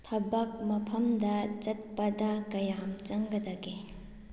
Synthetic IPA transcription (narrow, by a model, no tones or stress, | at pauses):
t̪ʰɐbɐk̚mɐpʰɐmd̪ɐd͡ʒɐt̪̚pɐd̪ɐkɐjamt͡ʃɐŋɡɐd̪ɐɡe